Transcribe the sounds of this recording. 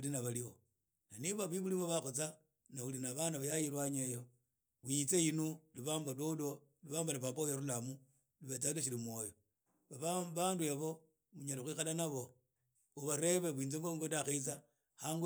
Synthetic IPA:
linaβalio | naniβaβwiβuliβoβaxot͡sa | naulinaβanaβajajiɾwaɲejo | wiit͡seinuliβaːmbalodo | liβaːmbalapapajeɾulamu | liβet͡saleʃ̬ilimwojo | βaβaβanduaβo̞ | muɲalixwixalanaβo̞ | uβaɾe̞βeβwiːnzeŋɡoŋɡondaxeit͡sa | haŋɡ

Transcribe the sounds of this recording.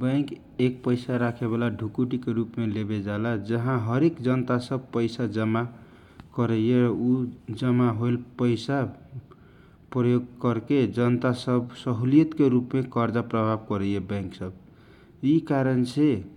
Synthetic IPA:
bə̃ɪ̃k | ek̚pəɪsaɾakʰebelaɖʱukuʈikeɾupmelebed͡ʒalad͡ʒəɦãɦəɾekd͡ʒənt̪asəb̚ʱpəɪsad͡ʒəma | kəɾəeɾud͡ʒəmaɦojlpəɪsa | pɾəjoɡ̚kəɾked͡ʒənt̪asəbsəɦuliət̪keɾupmekəɾd͡ʒapɾəbʱab̚kəɾəjebə̃ɪŋksəb | ikaɾənsʰe

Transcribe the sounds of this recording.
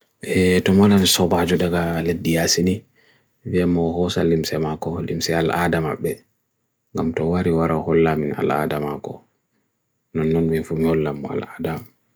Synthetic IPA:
ʔɛtɔmalanisɔbad͡ʒɔɗaɡaledːijasini | viɛmːɔɦɔsalːimsɛmakɔlimsɛala̰dama̰ɓːɛ | ŋɡamtɔwaɾiwaɾahɔlːamina̰la̰ːdamakɔ̰ | nɔnːɔnminfumihɔlːamːɔa̰laːdam

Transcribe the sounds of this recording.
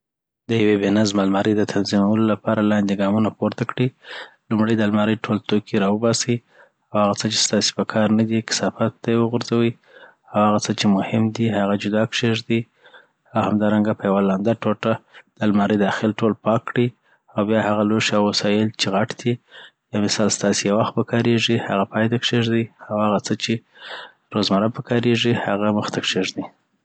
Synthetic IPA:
d̪əjawebenazmalmɑɾəd̪ət̪ʰanzimawəlolapɑɾalɑnd̪eɡɑmunapoɾt̪akɽilumɽəjd̪almɑɾəjʈʰolt̪okʰiɾɑwəbɑsi | awhaɣat͡sət͡ʃe̥st̪ɑse̥pəkʰɑɾnad̪ikɪ̥sɑfat̪̚d̪ejwəɣʊɾzawi | awhaɣat͡sət͡ʃemʊhɪmd̪ihaɣad͡ʒʊd̪ɑkʃeʒd̪i | awhamd̪ɑɾaŋɡapəjawalɑnd̪aʈoʈad̪̥əlmɑɾəjd̪ɑxɪlʈolpɑkːɽi | awbjɑhaɣaloʃɑwasɑjɪlt͡ʃeɣaʈd̪̥ijɑmɪsɑlst̪ɑsejawaxt̪̚pəkʰɑɾeʐihaɣapɑjt̪akʂeʒd̪iawhaɣat͡sət͡ʃe | ɾozmaɾapəkɑɾeʐihaɣaməxt̪akʂeʐd̪i

